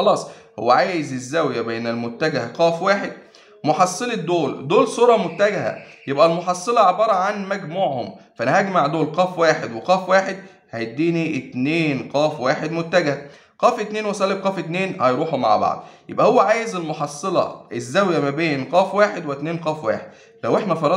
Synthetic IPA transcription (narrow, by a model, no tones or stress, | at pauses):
xɑlɑːsˤ | ho̰wːæʕaːjɪzezːæwjæbeːnælmʊt̪ːæɡæhæqɑːfwaːħed̪̚ | moħɑsˤːeled̪ːoːld̪oːlsuːɾˤɑmot̪ːæɡæhæ̰jebʔælmoħɑsˤːɑlɑʕebɑːɾˤɑʕanmæɡmuːʕhʊmfæʔænæhæɡmaʕd̪oːlqɑːfwaːħed̪weqɑːfwaːħed̪̚ | hæjd̪ːiːniet̪neːnqæːfwaːħed̪moʊt̪ːæɡæhæ | qæːfet̪neːnwæsˤælːeb̚qɑːfet̪neːnhɑjɾˤuːħuma̰ʕba̰ʕd̪̚ˤjḛbʔæhowːæʕaːjezelmoħɑsˤːɑlɑ̰ʔezːæwjæmæbeːnqæːfwaːħed̪wet̪neːnqɑːfwa̰ːħed̪̚læwʔeħnæfɑɾˤɑ